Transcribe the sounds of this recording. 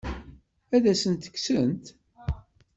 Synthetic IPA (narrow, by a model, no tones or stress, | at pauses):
æðæsənt̪ə̥kːsənt̪